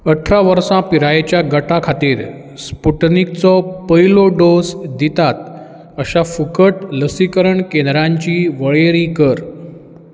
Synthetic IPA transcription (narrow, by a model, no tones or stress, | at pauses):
əʈʰɾaʋəɾsãpiɾajet͡ɕjaɡəʈʰakʰat̪iːɾ | spuʈnik̚t͡sɔpəiloɖosd̪it̪at̪̚ | əɕafukəʈləsikəɾəɳkend̪ɾãɲt͡ɕiːʋəɭeɾikəɾ